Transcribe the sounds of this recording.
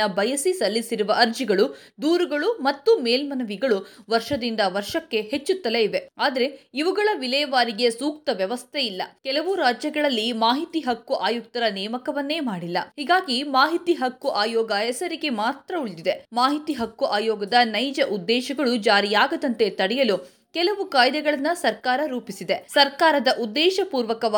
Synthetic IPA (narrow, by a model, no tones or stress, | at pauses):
ɐbɐjɐsisɐlːisiɾuʋɐʔɐɾd͡ʒiɡɐɭu | d̪uːɾuɡɐɭumɐt̪ːumeːlmɐnɐʋiɡɐɭuʋɐɾʂɐd̪ind̪ɐʋɐɾʃɐkːe̞het͡ʃːut̪ːɐleiʋe̞aːd̪ɐɾe̞iʋuɡɐɭɐʋilɛːɐʋaːɾiɡe̞suːk̚t̪ɐʋjɐʋɐst̪ʰeilːɐ̰kɛlɐʋuɾaːd͡ʒjɐɡɐɭɐlːimaːɦit̪iɦɐkːuʔaːjuk̚t̪ɐɾɐnɛːmɐkɐʋɐnːe̞ːmaːɽilːɐhiːɡaːɡimaːɦit̪iɦɐkːuʔaːjɔːɡɐɛsɐɾiɡe̞maːt̪ɾɐuɭd̪id̪e̞maːɦit̪iːɦɐkːuʔaːjɔːɡɐd̪ɐnɐjd͡ʒɐʔud̪ːɛːʃɐɡɐɭud͡ʒaːɾijaːɡɐd̪ɐnt̪e̞t̪ɐɽɛjɐlu | kɛlɐʋukaːjd̪ɛɡɐɭɐnːɐsɐɾkaːɾɐɾuːpisid̪e̞sɐɾkaːɾɐd̪ɐʔud̪ːɛːʃɐpuːɾʋɐkɐʋ